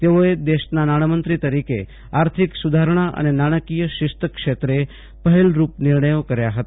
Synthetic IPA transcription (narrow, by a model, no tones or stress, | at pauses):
t̪eʋoed̪eɕnanaɽ̃əmənt̪ɾit̪əɾikḛ | aɾt̪ʰiksud̪ʱaɾɳ̃aʔə̰nenaɽ̃əkijəɕist̪əkʂet̪ɾe | pəɦilɾuːpniɾɳəjokəɾjaɦət̪